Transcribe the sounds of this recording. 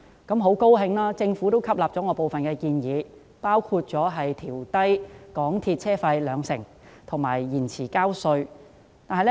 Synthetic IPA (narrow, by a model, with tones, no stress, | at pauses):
kɐ˨˥mɦo˨˥wko˥wɦɪ˧ŋlaː˥t͡sɪ˧ŋfuː˨˥t̪o˥wkʰɐ˥p̚laː˨p̚t͡sɔː˨˥ŋɔː˨˧po˨wfɐ˨nkɛː˧kiː˧njiː˨˧˦ | paː˥wkʰuː˧t̚t͡ʃɔː˨˥ɦɐ˨jt̪ʰiː˨˩wt̪ɐ˥jkɔː˨˥ŋt̪ʰiː˧t̚t͡sʰɛː˥fɐ˧jlœː˨˧ŋsɪ˨˩ŋ | t̪ʰʊ˨˩ŋmaː˨˩jːiː˨˩nt͡sʰiː˨˩kaː˥wsɵ˧ɥ | t̪aː˨nɦɐ˨j